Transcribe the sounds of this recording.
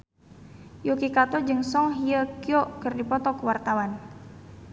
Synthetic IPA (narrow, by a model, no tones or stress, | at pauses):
jukikat̪ɔd͡ʒɨŋsɔŋɦiəkiɔkɨrdipɔt̪ɔkəwart̪awan